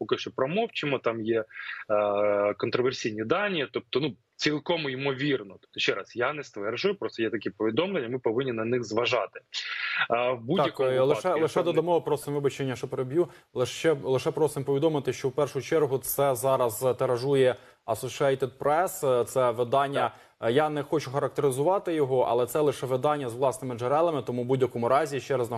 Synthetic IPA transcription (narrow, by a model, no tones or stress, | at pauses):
pɔkɪʃt͡ʃɔpɾɔmɔwt͡ʃɪmɔt̪ɑmje | kɔnt̪ɾɔʋersʲijnʲid̪ɑnʲːit̪ɔp̚t̪ɔnu | t͡sʲilˠkɔmʊimɔʋʲirnɔt̪ɔ̥p̚t̪ɔʃɛɾɑsjanɛst̪ʋɛrʒʊjʊpɾɔst̪ɔjɛt̪ɐkʲɛpɔʋʲid̪ɔmlˠenʲːɐmɪpɔʋɪnʲːinɐnɪxzʋɐʒɑt̪ɪ̥ | bud̪jɐkkɔmlˠɪʃɛlˠɪʃɛd̪ɔd̪ɐmɔɦɔpɾɔst̪ɪmʋɪbɐt͡ʃenʲːɐʃɔpeɾebʲju | lˠɪʃt͡ʃɛlˠɪʃɛpɾɔst̪ɪmpɔʋʲid̪ɔmɪt̪ɪʃt͡ʃɔwpɛrʃʊʊt͡ʃɛrɦʊt̪sɛzɑɾɐzt̪eɾɐʒujɛ | ɐsɔʃiat̪ɛd̪̚pɾɛst̪sɛʋɪd̪ɑnʲːɐ | janɛxɔt͡ʃʊxɐɾɐk̚t̪eɾɪzʊʋɑt̪ɪjɔɦɔʔɐ̰lˠɛt̪sɛlˠɪʃɛʋɪd̪ɑnʲːɐzʋlˠɑsnɪmɪd͡ʒeɾɛlˠɐmɪt̪ɔmubudʲjɐkɔmʊɾɑzʲiʃt͡ʃɛɾɐznɐ